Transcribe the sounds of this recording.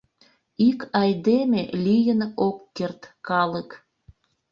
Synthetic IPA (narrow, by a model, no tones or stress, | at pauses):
ikɑjd̪emelʲijənokːert̪kɑlək